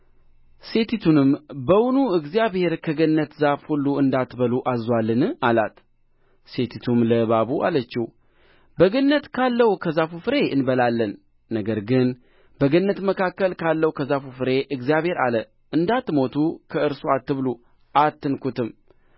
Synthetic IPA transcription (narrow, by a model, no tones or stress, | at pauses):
se̞t̪ʰit̪ʰunɨmbəwunuɨɡzijaβhe̞ɾkʰəɡənːət̪zafhulːuɨnd̪at̪bəluʔazwalːɨnɨala̰t̪ | se̞t̪ʰit̪ʰumləβaβuʔa̰lət͡ʃːiw | bəɡənːət̪kʰalːəhukʰəzafufɨɾe̞ɨnbəlalːənː | əɡəɾɡɨn | bəɡənːət̪məkakːəlkʰalːəwkʰəzafufɨɾe̞ʔɨɡzijaβhe̞ɾa̰lə | ʔɨnd̪at̪mo̞t̪ʰukʰəɨɾsuat̪ːɨβlu | ʔat̪ːɨnkʰut̪ɨm